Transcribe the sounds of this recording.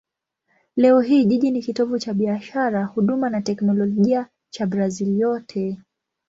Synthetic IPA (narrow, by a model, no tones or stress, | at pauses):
lɛɔɦiːʄiʄinikitɔvut͡ʃaɓiaʃaɾahuɗumanatɛknɔlɔɔʄia | t͡ʃabɾaziljɔtʰɛ